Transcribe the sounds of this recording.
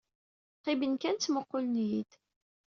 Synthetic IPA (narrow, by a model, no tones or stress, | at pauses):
qɪbənkænt͡sːməqːʊlnjid̪